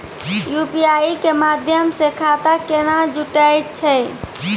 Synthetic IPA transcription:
jupiaikemad̪ʱjəmsekʰat̪akeñad͡ʒuʈajt͡ʃʰɛ

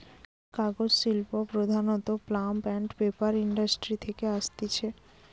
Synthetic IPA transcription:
kaɡod͡ʑsilpopɾod̪ʱanot̪oplampɛɳʈpepaɾiɳɖasʈɾit̪ʰekeaʃt̪it͡ɕʰe

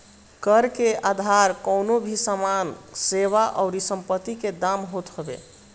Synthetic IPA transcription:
kəɾkeʔad̪ʱaɾkəʊnobʱisamanseβaʔɔʊɾisəmpət̪ːiked̪amɦot̪ɦobḛ

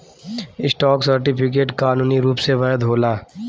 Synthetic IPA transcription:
ɪsʈɔːksɐɾʈɪpʰɪk̬eːʈkaːnuːniɾuːpseʋɐɦəd̪ɦoːlaː

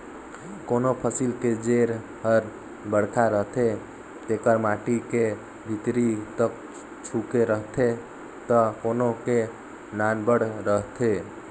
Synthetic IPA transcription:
konopʰəsilked͡ʒeɾ | pəɾ | bəɽkʰaɾəɦt̪ʰe | t̪ekəɾmaʈike | bʱit̪ɾit̪ək | t͡ʃʰukeɾəɦt̪ʰe | t̪əkonoke | nanbəɽɾəɦt̪ʰe

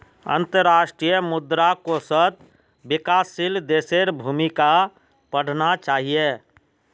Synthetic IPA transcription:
ə̰̃nt̪əɾaːʃʈɾijəmʊd̪ɾakosət̪̚ | bɪkaːsild̪eːseɾbʱuːmika | pəɽ̤ʱnat͡ʃaːɦije

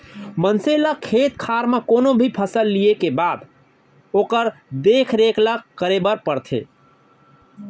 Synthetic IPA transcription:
mənseləkʰeːt̪̚kʰaːɾmẽkoːnobʱipʰəsəlːijekebaːd̪ | oːkəɾd̪eːkʰɾeːkləkəɾebəɾpəɾt̪ʰḛː

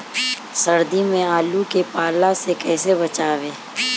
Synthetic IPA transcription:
sɐɾd̪imẽaːlukepaːlasekɛːsebɐt͡ʃaːʋeː

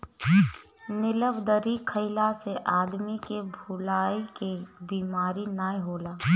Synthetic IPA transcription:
nɪləbd̪əɾikʰəɪlaseʔaːd̪mikebʱulaːikebiːmaːɾinaːiɦoːlaː

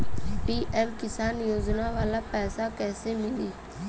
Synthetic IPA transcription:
piːʔɛːmkɪsaːnjoːd͡ʒnaʋaːlapɛːsakɛːsemɪliː

